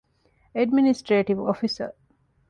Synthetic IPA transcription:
eɖminisʈɾeːʈiʋofisə̰

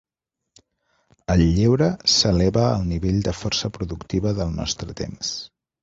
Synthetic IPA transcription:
əlːiwɾəsəlɛβəːlˠniβeʎd̪əfɔrsəpɾuðukt̪iβəðəlˠnɔ̰st̪ɾət̪ḛms

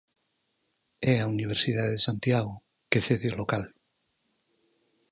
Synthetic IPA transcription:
ɛauniβ̞eɾsiðaðeesant̪jaɣ̞o | keθeθjolokal

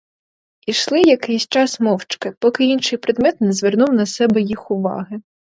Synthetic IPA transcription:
iʃlˠɪjɐkɪjsʲt͡ʃɑsmɔwt͡ʃkɪpɔkɪinʃɪjpɾɪd̪mɛt̪nɛzʋernuwnɐsɛbɛjixʊʋɑ̰ɦɪ

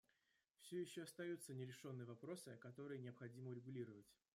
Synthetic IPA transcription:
fsʲɵjɪɕːoɐst̪ɐjut̪sənʲɪɾʲɪʂo̞nːɨjəvɐpɾo̞sɨkɐt̪o̞ɾɨjənʲɪɐpxɐdʲiməʊɾʲɪɡʊlʲiɾəvətʲ

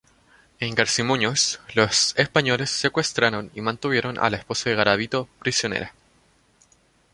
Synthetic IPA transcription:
e̞ŋɡaɾsimuɲoslosespaɲo̞le̞sːekwest̪ɾaɾonimãnt̪uβje̞ɾonʔa̰laespo̞saðeɣaɾaβit̪o̞pɾisjonḛɾa

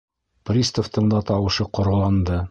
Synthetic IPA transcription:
prʲist̪oft̪ɤ̆ɴd̪ɑt̪ɑwɤ̆ʃɤqŏɾɤ̆lˠɑnd̪ɤ

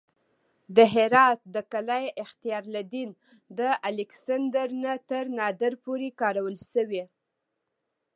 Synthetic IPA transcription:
d̪əɦɪɾɑt̪̚d̪əkalajɪxt̪ijɑɾlad̪in | d̪əʔalɪksand̪əɾnat̪əɾnɑd̪əɾpoɾekɑɾawəlʃəwe

